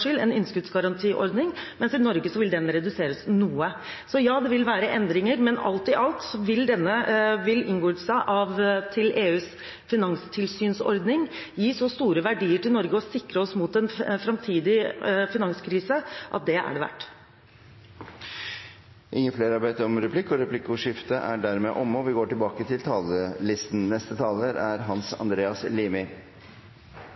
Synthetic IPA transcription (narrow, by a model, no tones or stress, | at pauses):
ʂɪlɛnɪnːskʉt̪sɡɑɾɑnt̪ʰiːʔɔ̰ɾd̪nɪŋmɛnsɪnɔɾɡəsɔʋɪld̪ɛnːəɾɛd̪ʉseːɾəsnuːə | sɔjɑːd̪ɛʋɪlʋæːɾəʔɛnd̪ɾɪŋəɾmɛnɑ̰lt̪ɪʔɑlt̪sɔʋɪld̪ɛnːəʋɪlɪ̰ŋɡoːʉt̪sæɪʔɑʋt̪ʰɪlʔeːʉːs | fɪnɑŋst̪ʰɪlsyːnsɔ̰ɾd̪nɪŋjiːsɔst̪uːɾəʋæɖiːəʈɪlnɔɾɡəɔsɪkɾəɔsmut̪ɛnfɾɑmt̪ʰiːd̪ɪfɪnɑŋskʰɾiːsəʔɑ̰t̪̚d̪ɛʔæ̰ɖɛʋæ̰ʈː | ʔɪŋːəfleːɾɑbet̪əɾɔmɾɛpʰlɪkːɔɾɛpʰlɪkːʊʂɪft̪əʔæ̰ɖæɾmɛʔɔmːɔʋɪɡoːʈɪlbɑːkət̪ʰɪlt̪ʰɑːləlɪst̪n̩nɛst̪ət̪ʰɑːləɾæɾɦɑnsɑ̰nd̪ɾeːɑsliːmɪ